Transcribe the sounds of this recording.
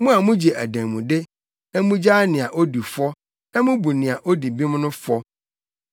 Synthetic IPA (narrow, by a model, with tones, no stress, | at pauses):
mũ˦a˨mũ˦d͡ʑi˨ʔæ˨dæ̃˨mũ˨dɪ˦ | nã˦mũ˦d͡ʑaː˦nɪ̃˨a˨ʔo˦di˨fɔ˦ | nã˦mʊ̃˦bu˨nɪ̃˨a˨ʔo˦di˨bi˦m̃˦nʊ̃˦fɔ˦